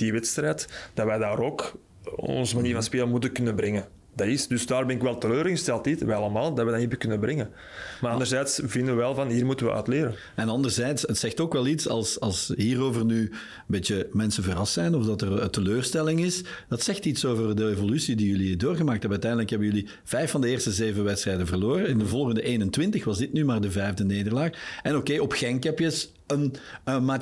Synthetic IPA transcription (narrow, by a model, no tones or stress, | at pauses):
d̥iʋɛtstɾɛːtd̥ɑʋɛːdaːɾok | ɔ̰nzəmaniːɾvɑnspeːlənmutəkʏnənbɾɛŋən | d̥ɑɪsdʏsdaːrbɛnɪkʋɛlˠtəløːɾɣəstɛlˠtitʋɛɑlˠəmaːlˠdɑʋɛdaniːvəkʏnəbɾɛŋə | maːɑndərzɛːtsvɪndəʋəʋɛlˠvɑnɦiːrmutənʋə̰ʔœ̰ːtleːɾən | ɛnɑndərzɛːtsətsɛxtoːkʋɛlˠitsɑ̰lˠsɑlˠsɦiːroːvərnyː | ənbeːtjəmɛnsəvərɑstsɛjnɔfdɑtərətəløːrstɛlɪŋɪsd̥ɑtsɛxtitsoːvərdəevolysidijɵlidoːrɣəmaːk̚tɛbœːtɛjndələkɦɛbəjɵli | v̥ɛjfːɑndəeːrstəzeːvəʋɛtstrɛːdənvərloːɾəɪndəvɔlˠɣəndəʔeːnəntʋɪntəxʋɑzdɪtnymaːrdəvɛjvdəneːdərlaːxɛnokeːɔpxɛŋkɛpjəs | ənəmaː